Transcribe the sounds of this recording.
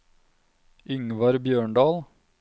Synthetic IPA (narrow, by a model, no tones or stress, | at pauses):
ʔʏŋʋɑɾbjøːɳɖɑːl